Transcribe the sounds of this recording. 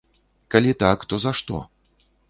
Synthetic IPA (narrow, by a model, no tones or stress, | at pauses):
kalʲit̪akt̪ɔzaʂt̪ɔ̰